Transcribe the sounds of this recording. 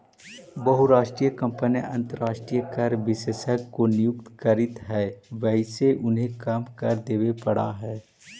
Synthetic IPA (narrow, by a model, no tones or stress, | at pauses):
bɐɦuɾaːʃʈɾijəkɐ̃mpəniʔɐ̰̃nt̪əɾaːʃʈɾijəkɐɾʋɪseʃəɡkonɪjʊk̚t̪kɐɾɪt̪ɦɛːʋɛɦseʔʊnɦẽkaːmkɐɾd̪eːʋepɐɽa̰ɦɛː